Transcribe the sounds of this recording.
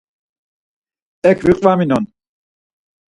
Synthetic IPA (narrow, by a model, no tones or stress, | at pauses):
ɛkʰviqʼvaminɔn